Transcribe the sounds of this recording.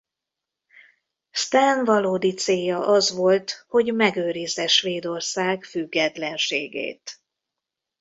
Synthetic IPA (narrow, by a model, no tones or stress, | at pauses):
st̪aːnvɒloːd̪it̪seːjɒʔɒzʋo̞lt̪ho̞ɟmɛɡøːɾizɛʃʋeːd̪o̞rsaːkfyɡːɛt̪lɛnʃeːɡḛːt̪